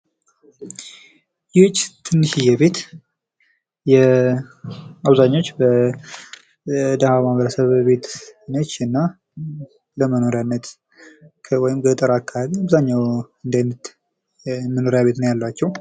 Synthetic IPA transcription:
jɪt͡ʃʼːt̪ʰɨnːɨʃijɛβe̞t̪ | jɛ | aβzaɲːo̞t͡ʃːbə | d̪əhamaβəɾəsəβbe̞t̪nət͡ʃːɨnːa | ləməno̞ɾjanːət̪ʰ | wɔjɪmɡət̪ʼəɾakʰːaaβiaβzaɲːawɨnd̪ajnət̪ | məno̞ɾjaβe̞t̪nəwjalːwat͡ʃːɛw

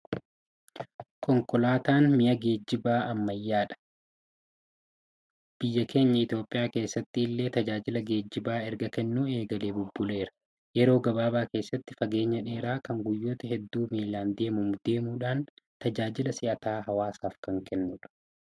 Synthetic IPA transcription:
kʰɔŋkɔlaːt̪aːnmɪjɐɡe̞ːd͡ʒːɪbaːʔɐmːɐjːaːᶑɐ̥ | b̥ɪjːɐke̞ːɲːɐɪt̪jo̞ːpʼːɪjaːke̞ːsːɐt̪ːɪːlːe̞ːt̪ɐd͡ʒaːd͡ʒɪlɐɡe̞ːd͡ʒːɪbaːɛɾɡɐkɛnːuːe̞ːɡɐleːbʊbːʊle̞ːɾɐ̥ | jɛɾo̞ːɡɐbaːbaːke̞ːsːɐt̪ːɪ̥fɐɡe̞ːɲːɐᶑe̞ːɾaːkɐŋɡʊjːo̞ːt̪ɐɦɛd̪ːuːmiːlaːnd̪e̞ːmʊmʊd̪e̞ːmuːᶑaːnt̪ɐd͡ʒaːd͡ʒɪlɐsɪʔɐt̪aːɦɐwaːsaːfkɐŋkʰɛnːʊᶑɐ̥

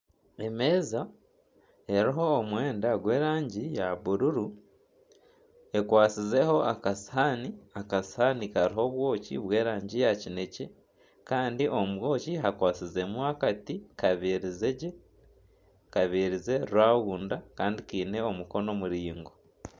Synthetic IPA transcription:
e̞me̞ːza | e̞ɾiɦo̞ːmwe̞ːndaɡwe̞ːɾaːɲɟijaβuɾuɾu | e̞kwaːt͡size̞ho̞ʔakashaniakashanikaɾiɦo̞βwo̞ːcḭβwe̞ːɾaːɲɟijacine̞ce̞ | kaːndiʔo̞mwo̞ːciɦakwaːt͡size̞muakatikaβiɾizeɟe | kaβiɾize̞ɾuwaːɣuːndakaːndikiːne̞omuko̞no̞muɾiːŋɡo̞

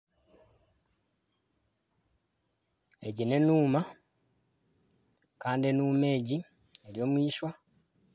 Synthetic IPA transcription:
eɟine̞nuːma | kaːndienuːme̞ːɟi | e̞ɾjo̞ːmwiːʃwa

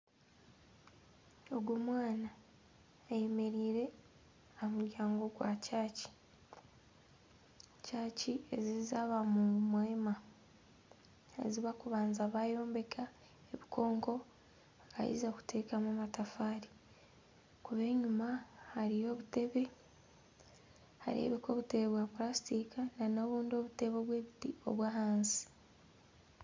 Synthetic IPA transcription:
o̞ɡwomwaːnaː | je̞me̞ɾiːɾe̞ | amuɾjaːŋɡo̞ɡwacaːci̥ | caːciezizaβamumwe̞ːma | ḛziβakuβaːnzaβajo̞ːmbe̞kʰa | e̞βikʰo̞ːŋko̞ | aka̰ḭzaku̥tʰe̞kamamatafaːɾi | kuβe̞ːɲumahaɾijo̞ːβuteβe̞ | ha̰ɾḛβeko̞βute̞βeβwapulasi̥tikanano̞ːβuːndio̞βute̞βo̞βwe̞ːβitio̞̰βwaːhaːnsi̥

